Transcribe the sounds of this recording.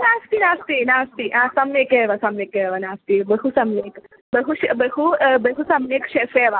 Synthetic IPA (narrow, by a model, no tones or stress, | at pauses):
naːst̪inaːst̪inaːst̪iãsɐmnekeːʋɐsɐmekeːʋɐnaːst̪ibɐɦusɐmneːk | bɐɦuʃbɐɦubɐɦusɐmnekʃefeːʋa